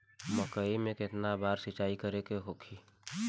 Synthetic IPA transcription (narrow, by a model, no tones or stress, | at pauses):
məkəimẽkɪt̪nabaːɾsɪt͡ʃaːikəɾekeɦoːkʰiː